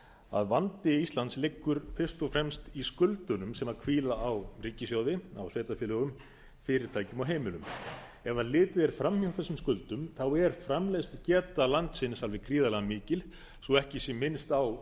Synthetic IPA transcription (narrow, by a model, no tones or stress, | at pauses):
a̰ðvant̪ɪist̪lant̪slɪkːʏɾ̥fɪr̥st̪ɔfɾɛmst̪iskʏlt̪ʏnʏmsɛmaðkʰviːlaːwriːcɪsjowðɪa̰wsveːt̪afjɪlœɣʏm | fɪːɾɪɾ̥t̪ʰaːjcʏmɔɦeːjmɪlʏm | ɛvaðlɪːt̪ɪɛɾ̥fɾamhjawθɛsːʏmskʏlt̪ʏmθawɛɾ̥fɾamlɛst̪cɛːt̪alant̪sɪnsalvɪkʰɾiːðalɛɣamɪːcɪl | sɔɛhcɪsjɛmɪnst̪aw